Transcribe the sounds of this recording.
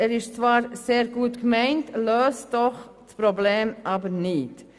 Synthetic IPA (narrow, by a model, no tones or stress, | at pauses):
ɛːɾɪʃt͡svɑːɾseːɾɡuːtkmɛɪntløːstdɔχ | spɾobleːmʔɑːbəɾnɪt